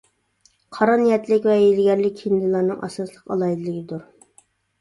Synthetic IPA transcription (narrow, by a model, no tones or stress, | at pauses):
qʰɑɾɑnijɛt̪lɪkʲvɛjelɡʲɛɾlɪkʲʰːind̪ɨlˠɑɾnɨŋʔɑ̰sɑslˠəqɑlˠɑid̪ɨlˠɨɡʲɪd̪uɾ